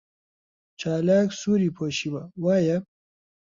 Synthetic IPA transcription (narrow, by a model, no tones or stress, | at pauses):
t͡ʃaːlaksuɾipʰoɕiwawaːja